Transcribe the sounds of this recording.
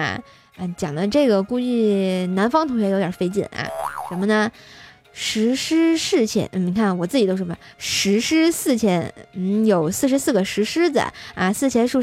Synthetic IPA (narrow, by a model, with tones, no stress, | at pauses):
ə˧t͡ɕjɑ˨˩ŋd̪ə˦ʈ͡ʂɤ˥˩ɡə˩ku˥˧t͡ɕy˥˩na˧˥nfɑ˥ŋt̪ʰʊ˧˥ŋɕ̬ɥɛ˧˥jt̪jɑ˨˩fe˥ɪt͡ɕḭ˥˩nɐ̰˩ʂə˧˥mə˧nə˧ | ʂɻ̩˧˥ʂɻ̩˥ʂɻ̩˥˩t͡ɕʰjɛ̰˧˥n̩˥˩i˧˥ŋkʰa˥˩wɔ˨˩t͡sɹ̩˥˩t͡ɕi˨˩t̪o˥ʊʂ̩˥˩ə˧˩˧ʂɻ̩˧˥ʂɻ̩˥sɹ̩˥˩t͡ɕʰjɛ˧˥nn̩˥˩jo˨˩ʊsɹ̩˥˩ʂ̬ɻ̩˧˥sɹ̩˥˩ɡə˩ʂɻ̩˧˥ʂɻ̩˥d͡zə̰˩ɐ̰˧sɹ̩˥˩t͡ɕʰjɛ˧˥nʂu˥˧